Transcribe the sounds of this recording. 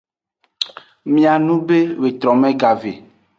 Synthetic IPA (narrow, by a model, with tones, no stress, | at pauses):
mĩ˨a˨nũ˦be˦we˨t̪ɾɔ˨mɛ̃˦ɡa˨vḛ˨